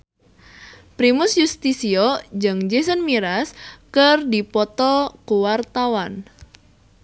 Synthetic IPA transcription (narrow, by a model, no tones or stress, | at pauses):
pɾimʊsjust̪isiɔd͡ʒɨŋd͡ʒes̬ənmiɾaskərdipɔt̪ɔkuwart̪awan